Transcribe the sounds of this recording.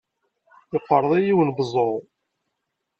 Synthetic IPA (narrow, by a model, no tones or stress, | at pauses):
ɪqːəɾˤðˤijiwənbzˤo